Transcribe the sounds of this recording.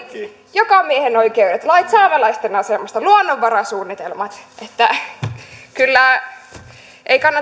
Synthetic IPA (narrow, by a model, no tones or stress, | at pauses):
jokɑmiehenoikeyɾæt̪lɑit̪sɑːmɑlɑist̪enɑsemːost̪ɑluonːoʋːɑɾɑsuːnːit̪elmɑt̪ʔet̪ːæ | kylːæ | ʔeikɑnːɑ